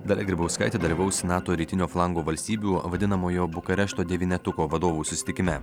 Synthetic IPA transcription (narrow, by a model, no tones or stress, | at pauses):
d̪ɐlʲɛɡɾʲɪbɐʊskɐɪt̪ʲeːd̪ɐlʲiʋɐʊsʲɪnɑːt̪oːɾʲiːt̪ʲɪnʲoːflˠɑŋɡoːʋɐlʲsʲt̪ʲiːbʲuːʋɐd̪ʲɪnɐmoːjoːbʊkɐɾʲɛʃt̪oːd̪ʲɛʋʲiːnʲɛt̪ʊkoːʋɐd̪oːʋuːsʊsʲɪ̥t̪ʲɪkʲɪmʲɛ